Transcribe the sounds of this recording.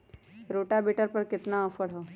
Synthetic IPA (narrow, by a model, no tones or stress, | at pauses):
ɾoːʈabiʈəɾpɐɾkɪt̪naɐfəɽɦoː